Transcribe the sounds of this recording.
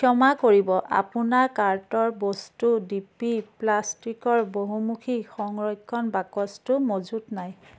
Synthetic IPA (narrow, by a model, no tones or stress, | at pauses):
kʰjɔmakoɹibɔʔa̰punaɹkaɹtɔɹbɔstudipiplastikɔɹboɦumukʰixɔŋɹɔjkʰːɔnbakɔstʊmozutnaj